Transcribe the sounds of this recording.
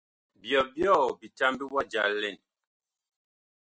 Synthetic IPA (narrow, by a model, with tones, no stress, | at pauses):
bjɔ˨bjɔ˦˨bi˨ta˦mbi˦wa˦d͡ʒa̰˨lɛ˨n